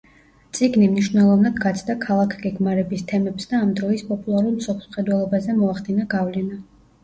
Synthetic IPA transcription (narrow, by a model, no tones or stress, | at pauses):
t̪sʼiɡnimniʃwnɛlˠɔvnad̪ɡat̪sʰd̪akʰalˠakʰɡɛɡmaɾɛbist̪ʰɛmɛpsd̪aːmd̪ɾɔispʼɔpʼulˠaɾulˠmsɔpʰlˠsmχɛd̪wɛlˠɔbazɛmɔaχd̪inaɡavlɛna